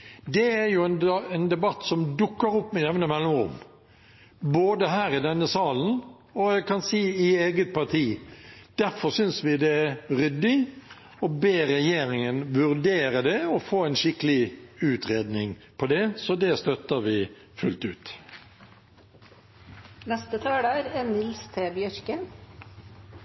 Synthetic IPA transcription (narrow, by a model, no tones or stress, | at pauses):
d̪ɛæɾjʊɛnɛnd̪ɛbɑt̪ːsɔmd̪ʊkːəɾʊpːmɪnɛʋnəmɛlːɪŋʊ̰m | boːd̪əɦæːɾɪd̪ɛnːəsɑːln̩ | ɔjæɪɡkʰɑnsiːɪeːɡət̪̚pʰɑʁt̪ʰiːd̪̥æɾfɔɾsʏnsʋɪd̪ɛæɾʏd̪ːɪ | ɔbeːɾɛjeːɾɪŋənʋʉʁd̪eːɾəd̪ɛɔfoːɛnʃɪkəlɪʉːt̪ʁeːd̪nɪŋpʰɔd̪ɛsɔd̪ɛst̪œt̪ːəʋɪ | fʉlt̪ʉ̰ːt̪ | nɛst̪ət̪ʰɑːɖɑːɾɛnɪlst̪ʰeːbjœɾkə